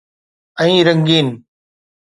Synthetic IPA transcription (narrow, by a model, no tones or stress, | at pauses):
əĩːɾəŋɡiːn